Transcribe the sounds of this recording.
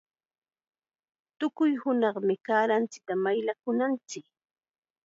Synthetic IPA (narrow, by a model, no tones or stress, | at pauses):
t̪ʊkʊjhʊnɑχmɪkaːɾant͡sɪ̥t̪amajlakʊnant͡sɪk